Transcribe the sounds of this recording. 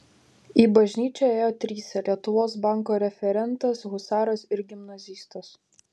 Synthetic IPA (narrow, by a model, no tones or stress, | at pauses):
iːbɐʒʲnʲiːt͡ʃʲoeːjoːt̪ʲɾʲiːsʲɛlʲiɛt̪ʊʋoːsbɑˑŋkoːɾʲɛfʲɛɾʲɛnˑt̪ɐsɣʊsɑːɾosɪɾɡʲɪmnɐzʲiːst̪os